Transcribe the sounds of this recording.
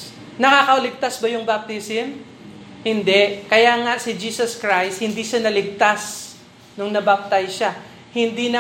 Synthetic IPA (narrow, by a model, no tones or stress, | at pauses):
nɐkakɐʔʊlɪɡ̚t̪asbɐjʊŋbap̚t̪ɪsɪn | hɪnd̪ɛkɐjaŋasɪd͡ʒiːsɐskɹajst̪̚hɪnd̪iʃanɐlɪɡ̚t̪as | nʊŋnɐbap̚t̪ajʃa | hɪnd̪inɐ